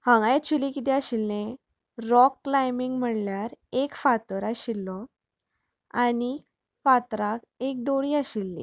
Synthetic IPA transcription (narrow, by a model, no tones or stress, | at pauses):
hə̃ŋɡajt͡ɕʰulikit̪̬iaɕilne | ɾɔkːlajmiŋɡm̤əɳljaɾekfat̪əɾaɕilːɔ | ani | fat̪ɾak | ek̚d̪oɽiːaɕilːḭː